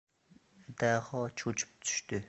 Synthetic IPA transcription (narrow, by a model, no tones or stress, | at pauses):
t̪æːχɔːt͡ɕʰut͡ɕɪ̥p̚t͡sy̥ʃt̪ʰøː